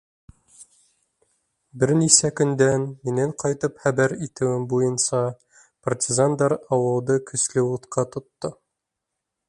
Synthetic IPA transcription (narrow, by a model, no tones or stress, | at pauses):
bɘɾnisækɵ̆nd̪ænminæɴqʰɒjt̪ɤpχæbæɾit̪ɘ̆wɘmbujɤnsɑ | prtʲɪzand̪ɑɾɑwɤ̆lˠd̪ɤkʰɵ̆slɘ̆wut̪qɑt̪ʰŏt̪ːɤ